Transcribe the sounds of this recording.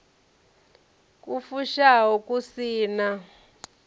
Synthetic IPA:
k̬ʼufuʃaɦɔkʼusiːna

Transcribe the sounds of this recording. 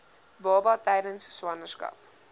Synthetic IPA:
bɑːbɐtɛjdənsswɐnərskɐ̰p

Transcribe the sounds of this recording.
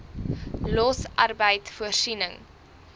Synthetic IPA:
lɔsʔɐrbəjtfuərsinəŋ

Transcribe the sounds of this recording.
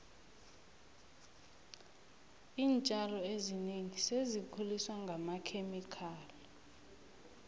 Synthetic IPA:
iːnt͡ʃʼalɔezineŋisezikʰuliswaŋɡʱamakʰemikʰaːlɔ

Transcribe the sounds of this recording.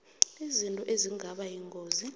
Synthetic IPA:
izintʼɔʔeziŋɡʱaɓajiŋɡʱoːzi

